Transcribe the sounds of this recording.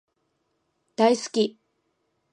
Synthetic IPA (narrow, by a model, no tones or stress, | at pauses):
d̪̥aisɨ̥kʲi